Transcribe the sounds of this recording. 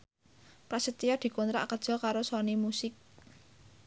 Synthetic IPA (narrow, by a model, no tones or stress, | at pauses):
pɾasət̪iɔd̪̥i̤kont̪ɾa̰ʔkəd̥ʒ̥ɔ̤kaɾosɔnimusɪk̚